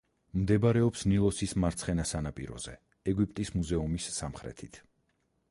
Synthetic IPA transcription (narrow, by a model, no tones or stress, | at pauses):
md̪ɛbaɾɛɔpsnilˠɔsismaɾt̪sʰχɛnasanapʼḭɾɔ̰z̥ɛ̰ | ɛɡwip̚ʼt̪ʼismuzɛumisːamχɾɛ̰t̪ʰit̪ʰ